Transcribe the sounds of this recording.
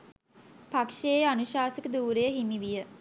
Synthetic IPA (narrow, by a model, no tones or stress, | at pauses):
pakʂeanuʃaːsikəd̪uːɾejəɦimiʋijə